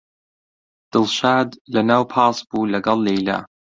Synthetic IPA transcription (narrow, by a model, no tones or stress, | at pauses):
d̪̥ɨlʃaːd̪lanawpʰɑːsˤbulaɡalːejla̰